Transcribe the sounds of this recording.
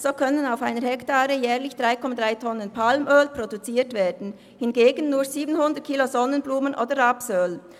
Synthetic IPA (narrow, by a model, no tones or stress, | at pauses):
z̥oːkʰœnənaʊfaɪnəɾhɛktaːɾəjɛːɐʁlɪçd̥ʁaɪkʰɔmadʁaɪtʰɔnənpʰalmʔøːlpʁ̥odut͡siːtv̥eːdn̩ | hɪnɡeːɡən̩ːuːɐziːbənhʊndət̚kʰiːlozɔnənbluːmənʔo̰ːdəʁaːpsøːl